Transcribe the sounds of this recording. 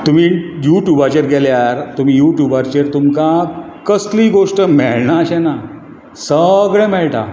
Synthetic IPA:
t̪um̤iːjuʈjubat͡ɕeɾɡɛljaɾt̪um̤iːjuʈjubaɾt͡ɕeɾt̪umkã | kəsliɡoʂʈəmeɭɳaəɕɛna | səɡɭɛ̃mɛɭʈa̰

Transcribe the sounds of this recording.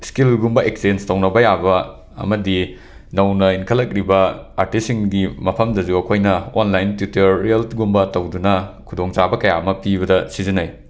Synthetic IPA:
skilɡumbɐʔeksenstɐwnɐbɐjabɐ | ɐ̰mɐdi | nɐwnɐinkʰɐlːɐk̚ɾibɐa̰ɾtisiŋɡimɐpʰɐmdɐzuɐkʰojnɐonlajntjuteɾːielɡumbɐtɐwdunɐkʰudoŋt͡ʃabɐkɐjaɐmɐpibɐdɐsizinaj

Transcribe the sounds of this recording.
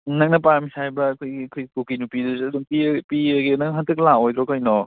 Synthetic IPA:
nɐŋ̚nɐp̬aɾmisajbɐːkʰojɡikʰojkukinupidusɐduŋpipiɡenɐŋɦantʰɯklaojd̪ɾɔkɐjnɔ

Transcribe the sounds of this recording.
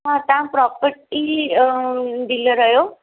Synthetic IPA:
ɦãt̪ãpɾɔpəɾʈi | d̪iləɾəɦjo

